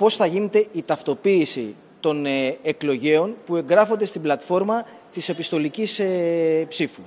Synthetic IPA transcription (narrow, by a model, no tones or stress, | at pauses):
po̞sθɐʝine̞t̪e̞ʔit̪ɐft̪o̞piːsḭ | t̪o̞neeklo̞ʝe̞o̞npue̞ŋɡɾɐfo̞nd̪e̞st̪iblɐt̪fo̞ɾmɐ | t̪ise̞pist̪o̞licisepsifu